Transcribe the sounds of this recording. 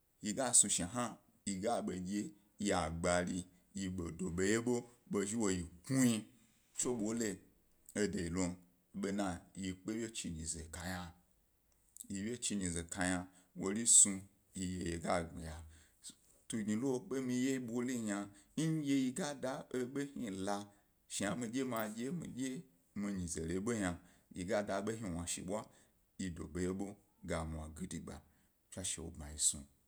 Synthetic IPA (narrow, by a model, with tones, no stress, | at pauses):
ji˧ɡa˦sũ˧ʃɦã˦ | ji˧ɡa˦ɓe˨ɡʲe˦ | ji˧a˨ɡ͡ba˨li˧ | ji˧ɓo˨do˨ɓe˨je˦ɓo˦ɓo˧ʒi˦wo˧ji˨ku˦ji˧ | t͡ʃo˦ɓwo˦le˦ | e˦de˨i˨lo˨ | ɓe˧nã˨ji˧k͡pe˦wʲje˦t͡ʃi˧ɲĩ˨zḛ˨ka˨ɲa˧ | ji˧wʲe˦t͡ʃi˧ɲĩ˨ze˨ka˧ɲa˧ | wo˧li˦sũ˧ | i˧je˧je˨ɡa˦˨ɡḭ˨ja˨ | tu˧ɡɲi˧˨lo˦ɓe˦mĩ˧je˦i˦ɓʷo˦li˦ɲa˧ɲ̩˦je˧ji˧ɡa˦da˧e˦ɓe˦hi˦la˧ | ʃi˨ja˨mĩ˧ɡʲe˦ma˧ɡʲe˦mḭ̃˨ɡʲe˦ | mi˧ɲĩ˨ze˨le˨˦ɓo˦ɲa˧ji˨ɡa˦da˧˦ɓe˦ɦi˧wʷa˨ʃḭ˨ɓʷa˦ | ji˧do˨be˨je˦ɓo˦ | ɡa˨mʷ˨a˨ɡi˦di˨ɡ͡ba̰˨ | fʲa˦ʃe˨wo̰˨bma˨ji˨sṵ˧